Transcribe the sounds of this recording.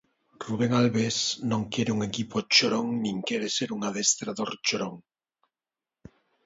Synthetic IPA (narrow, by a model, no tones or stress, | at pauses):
ruβeŋalβesnõŋkeɾeuŋekipot͡ʃoɾoŋnĩŋkeɾeseɾuŋaðest̪ɾaðoɾt͡ʃoɾoŋ